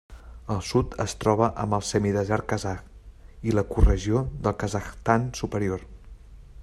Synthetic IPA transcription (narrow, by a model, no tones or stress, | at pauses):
əlˠsut̪əst̪ɾɔβ̞əʔəmbəlˠsɛmiðəzɛɾtkəzakiləkurəʒioðəlˠkəzəxt̪ansupəɾior